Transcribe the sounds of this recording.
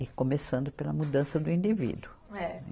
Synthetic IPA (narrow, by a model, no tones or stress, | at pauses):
ɪkomesɐ̃nd̪ʊpelɐmud̪ɐ̃sɐd̪ʊĩnd̪ivḭd̪ʊɛnɛ